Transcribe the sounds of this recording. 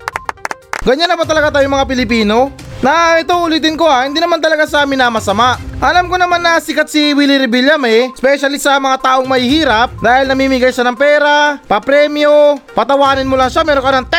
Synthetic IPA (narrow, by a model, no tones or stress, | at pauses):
ɡɐɲːanːɐbɐt̪ɐlɐɡat̪aːjomɐŋapɪlɪpiːno̞nɐʔɛt̪oʊliːt̪̬ɪnko̞ahɪnd̪iːnɐmant̪ɐlɐɡasɐaːmɪnɐmɐsɐmaʔʔɐlamko̞nɐmanːɐsɪkat̪siwiːlɪɾɪbilamɛspɛʃɐlɪst̪sɐmɐŋat̪aːʔo̞ŋmɐhihiːɾap̚d̪aːhɪlnɐmiːmɪɡajʃanɐŋpɛːɾapɐpɾɛːmjopɐt̪ɐwaːnɪnmʊlaŋʃamɛːɾoŋkɐnɐŋt̪ɛ